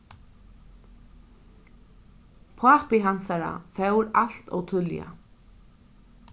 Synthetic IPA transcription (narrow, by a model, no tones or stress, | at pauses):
pʰaːpɪɦansaɾa̰fœwɾal̥t̪ɔ̰ɣt̪ʰʏlja̰